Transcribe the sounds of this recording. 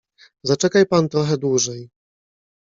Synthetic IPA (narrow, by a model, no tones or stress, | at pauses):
zat͡ʂɛkajpant̪ɾɔxɛd̪wuʐɛj